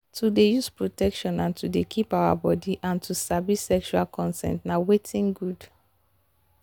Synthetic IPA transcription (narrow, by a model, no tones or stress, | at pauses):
tʰudejuspɹotɛkʃɔ̃nãntudekʰipawa̰bɔdiʔãntusabisɛkʃualkʰɔ̃nsɛ̰̃ntnawetʰĩŋɡud